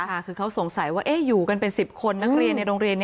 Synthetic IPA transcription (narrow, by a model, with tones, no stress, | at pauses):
a˥˩kʰɯː˧kʰa˦˥wso˨˩˦ŋsa˨˩˦jwaː˥˩ʔeː˥˩juː˨˩ka˧npe˧nsi˨˩p̚kʰo˧nːa˦˥k̚ɾi˧ənːa˧jɾoː˧ŋɾi˧ənː˦˥